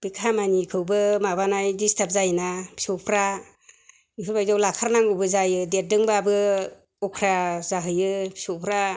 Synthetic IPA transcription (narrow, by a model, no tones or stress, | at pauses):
b̥ikʰamanikʰɯwbɯmabanajdistʰap̚zajnabi̥sɔpʰɾa | nikʰɯlbajzawlakʰaɾnaŋɡɯbɯzajɯdet̚dɯŋbabɯ | ɔkʰɾazaɦɯjɯpʰi̥sɔwpʰɾa